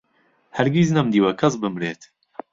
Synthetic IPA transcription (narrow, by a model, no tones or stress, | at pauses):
hɐɾɡiznɐmd̪iːwɐkʰɐsbɨmɾeːt̪